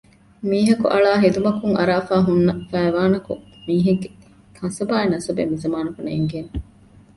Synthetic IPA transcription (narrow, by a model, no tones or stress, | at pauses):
miːɦɐkṵʔɐɭaːɦed̪umɐkuŋɐɾaːfaːɦunːɐfæːʋaːnɐkṵ | miːɦeɡːe | kʰɐ̃nsɐbaːenɐsɐbḛmizɐmaːnɐkuneːŋɡeːne